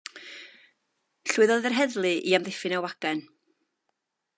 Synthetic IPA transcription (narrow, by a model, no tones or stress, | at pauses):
ɬuːɨðɔɨðɛrɦɛðlˠɨʔiamðɪfɨnawaɡ̥ɛn